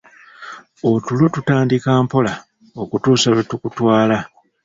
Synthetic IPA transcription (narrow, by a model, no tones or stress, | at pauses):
otulotutaːndikaːmpo̞la | okutuːsaletukutwaːla